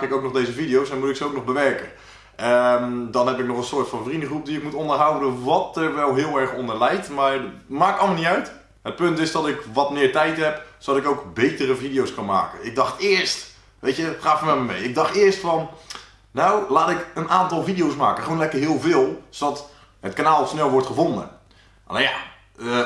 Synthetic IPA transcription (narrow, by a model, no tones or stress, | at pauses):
kɪkowknɔχdejzəvidijowsɛnmutɪksəowk̚nɔχbəʋɛrkən | ədɑnɦɛpɪk̚nɔχənsʊːɹtfɑnfrindəχrup̚diɪkmutɔndəɹɦʌwdənʋɑtəɹʋɛlˠɦɪːlˠɛɹχɔndəlɛjtmaːɹmaːkɑlˠməlnitœɥt | ɦət̚pɵntɪzdɔtɪkʋɑtmɪːɹtɛjtɦɛpsodɑtɪkowkbejtərəvidijowskɑnma̰ːkənɪɡ̚dɑχtɪːɹst | ʋejtəχaːfəmɛtməmejɪɡ̚dɑχtɪːɹstfɑn | nawlaːtɪkənʔaːntɑlˠvidijowsmaːkəχəʋonlɛkəɹɦɪːlˠvɪːlˠzodɑt | ɦətkanaːlˠsnɛlˠʋɔɹtχəvondə̰ | lja̰ | ə